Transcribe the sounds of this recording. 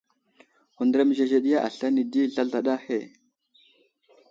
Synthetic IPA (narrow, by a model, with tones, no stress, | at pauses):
xu˨ndɾa˦m˨ʒe˨ʒe˨ɗi˦ja˦ʔa˨ɬa˦ni˨di˦ɮa˦ɮa˨ɗa˦he˨